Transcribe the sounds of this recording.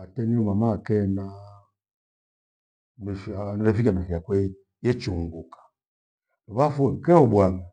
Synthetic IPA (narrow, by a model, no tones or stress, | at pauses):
atɛniumamakɛna | mɛʃanɔɾɛfikamɛfiakwɛ | jɛt͡ʃuŋɡukḁ | nɔβafuɛŋkɛhɔbwaŋa